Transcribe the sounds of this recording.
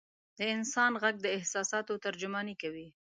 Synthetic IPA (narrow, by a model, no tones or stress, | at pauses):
d̪̥əɪnsɑnɣaɡ̚d̪əɪhsɑsɑt̪ot̪aɾd͡ʒʊmɑnikawi